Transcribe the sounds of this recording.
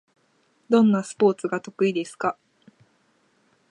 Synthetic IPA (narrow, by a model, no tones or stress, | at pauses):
d̪õ̞nːasɨ̥po̞ːt͡sɨɡat̪o̞kɯ̟id̪e̞sɨ̥ka